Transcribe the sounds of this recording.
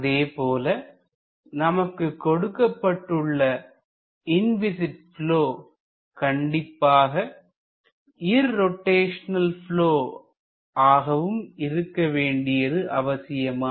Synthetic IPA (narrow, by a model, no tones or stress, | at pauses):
ɐðeːpoːlɐ | nɐmɐkːɯkːɔɽɯkːɐpːɐʈːɯɭːɐ | ɪnʋɪsɪʈ̚floː | kɐɳɖɪpːaːɣɐ | ɪɾːɔʈːeːʂɐnɐlfɪɭoː | aːɣɐʋɯmɪɾɯkːɐʋeːɳɖɪjɐɾɯʔɐʋɐsɪjɐmaː